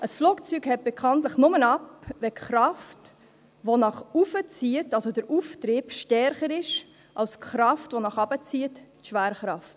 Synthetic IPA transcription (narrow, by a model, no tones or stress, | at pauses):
əsfluːkt͡sykhɛt̚b̥ɛkʰɑntləχnʊmənɑpvɛχɾɑft | ʋonɑχufət͡siətɑlsodəɾuftɾɪːb̥ʃtɛɾχəɾɪʃ | ʔɑwskχɾɑftʋonɑχɑb̥ət͡siət | ʃʋæːɾəχɾɑft